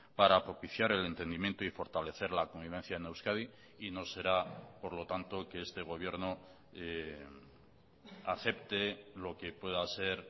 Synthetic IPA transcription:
paɾapɾo̞piθjaɾe̞le̞nt̪e̞nd̪imje̞nt̪oifo̞ɾt̪ale̞θe̞ɾlako̞mbiβẽ̞n̟θjaenewskaði | ino̞se̞ɾapo̞ɾlo̞t̪ant̪o̞ke̞est̪e̞ɣ̞o̞β̞je̞ɾno | e | aθe̞pt̪e̞lo̞ke̞pwe̞ðase̞ɾ

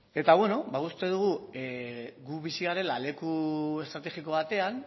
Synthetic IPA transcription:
e̞t̪aβwe̞no̞baust̪e̞ð̞uɣ̞ueɡuβisiɣaɾe̞lale̞kue̞st̪ɾat̪e̞xiko̞βat̪e̞an

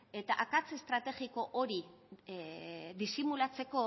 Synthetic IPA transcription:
e̞t̪aʔakat͡sest̪ɾat̪e̞ɣiko̞ʔoɾi | ðisimulat͡se̞ko̞

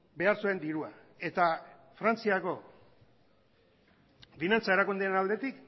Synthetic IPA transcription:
be̞aɾsue̞nd̪iɾua | e̞t̪a | fɾant͡siako̞ | finant͡sae̞ɾakund̪eenald̪e̞t̪ik

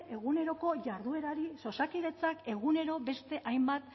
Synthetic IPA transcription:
e̞ɣune̞ɾo̞ko̞ʝaɾðue̞ɾaɾiso̞sakiðe̞t͡sake̞ɣ̞une̞ɾo̞be̞st̪e̞ʔajmbat̪̚

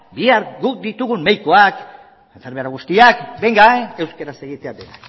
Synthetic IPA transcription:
biaɾɡuk̚d̪it̪uɣumːejkoak | eɱfeɾmeɾaɣ̞ust̪iakbe̞ŋɡaene̞wskeɾase̞ɣit̪eadena

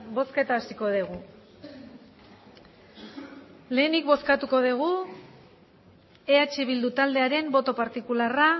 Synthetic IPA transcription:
bo̞ske̞t̪aːsiko̞ðeɣ̞u | le̞ːnikbo̞skat̪uko̞ðeɣ̞u | e̞at͡ʃiβ̞ild̪ut̪ald̪e̞aɾe̞mbo̞t̪o̞paɾt̪ikulara

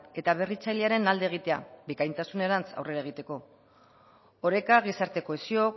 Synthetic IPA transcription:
e̞t̪aβe̞rit͡sajleaɾe̞nald̪eɣ̞it̪e̞a̰bikajnt̪asune̞ɾant͡sa̰wre̞ɾae̞ɣ̞it̪e̞ko̞ | oɾe̞kaɣ̞isaɾt̪e̞ko̞esio̞

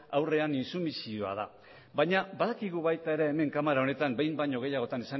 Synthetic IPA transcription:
awre̞aninsumisio̞a̰ð̞a̰ | bajɲabaðakiɣ̞uβajt̪ae̞ɾeːme̞ŋkamaɾao̞ne̞t̪ambe̞jmbaɲo̞ɣ̞e̞jaɣ̞o̞t̪anesaŋ

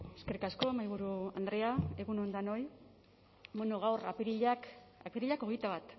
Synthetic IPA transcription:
eske̞ɾikasko̞emajβ̞uɾuand̪ɾe̞ae̞ɣuno̞nd̪anoj | benoɣ̞awra̰piɾiʎakapeɾiʎako̞ɣ̞ejt̪aβat̪

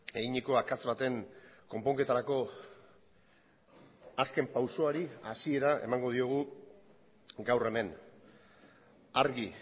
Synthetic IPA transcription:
e̞ɣiɲiko̞akat͡sβat̪e̞ŋko̞mpo̞ŋke̞t̪aɾako̞ | aske̞mpawso̞aɾiasie̞ɾae̞̰maŋɡo̞ð̞io̞ɣ̞u | ɡawre̞me̞n | aɾɣi

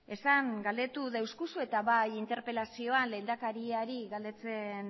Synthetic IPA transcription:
e̞saŋɡald̪e̞t̪uðaewskusue̞t̪aβajint̪e̞ɾpe̞lasio̞anle̞ːnd̪akaɾiaɾiɣald̪e̞t͡se̞n

